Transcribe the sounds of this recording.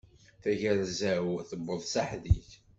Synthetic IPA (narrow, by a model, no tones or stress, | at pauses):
θæʝəɾzæwθəbːəðˤsaħðiç